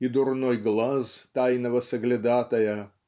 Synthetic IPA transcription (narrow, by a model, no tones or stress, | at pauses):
id̪ʊɾnojɡlˠɐzt̪ɐɪnɐʋɐsɐɡlʲɪd̪ɑːt̪ɐjɛ